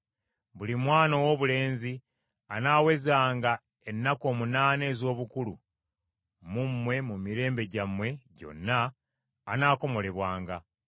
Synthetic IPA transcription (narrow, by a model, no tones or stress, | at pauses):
βulimwaːnowo̞βule̞ːnzi | anaːwe̞zaːŋɡa | enːako̞ːmunaːne̞ːzo̞ːβukulu | mumːwe̞mumiɾe̞ːmbe̞ɟamwe̞ɟo̞̰nːaː | naːko̞mo̞le̞βwaːŋɡa